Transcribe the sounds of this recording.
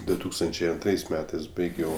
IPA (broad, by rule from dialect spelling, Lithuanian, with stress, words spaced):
dʊ ˈtuːkstɐnʲt͡ʃʲɛɪ ɐnˈtrɐɪs ˈmʲæːtɐɪs ˈbɐɪɡʲɛʊ